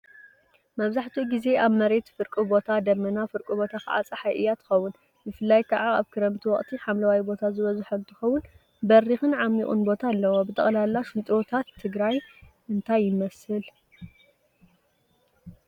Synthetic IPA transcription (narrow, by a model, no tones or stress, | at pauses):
mɐβzaħt̪ʰiɡize̞ʔaβmɐɾe̞t̪fɨɾkʼɨbo̞t̪ʰad̪ɐmːɐnafɨɾkʼɨbo̞t̪ʰakɨ̰ʕa̰t͡sʼaħajʔɨjːat̪ʰɨ̥xɐwːʊn | bɨfɨlːajkʰaʕaaβkʰɨɾɐmt̪ʰiwɔχʼt̪ʰiħamlɐwajbo̞t̪ʰazɨβɐzħɐnt̪ʰɨ̥xɐwːʊn | bɐrixɨnʕamːiχʼṵnbo̞t̪ʰaːlːɐwobɨt̪ʰʼɐ̰χʼlalːaʃɨnt̪ʼɾot̪ʰat̪ʰːɨɡɾaj | ʔɨnt̪ʰajːɪmɐsɨl